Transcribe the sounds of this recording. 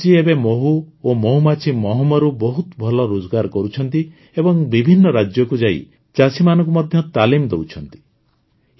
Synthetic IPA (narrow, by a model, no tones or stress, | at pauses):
t͡ʃiebemoɦuomoɦumat͡ʃʰimɔɦɔmɔɾubɔɦut̪bʱɔlɔɾod͡ʒɔɡaɾkɔɾut͡ʃʰɔnt̪i | ebɔŋbibʱinːɔɾad͡ʒjɔkud͡ʒaḭ | t͡ʃasimanɔ̃ŋk̬umɔd̪ʱjɔt̪alimd̪ewt͡ʃʰɔnt̪i̥